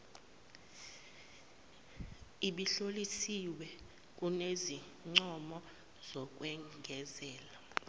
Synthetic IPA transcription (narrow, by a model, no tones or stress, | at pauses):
iɓiɬolisiwɛ | k̬ʼunezi | ŋ͡ǀɔmɔ | z̥ɔk̬ʼwɛŋɡʱɛzɛːla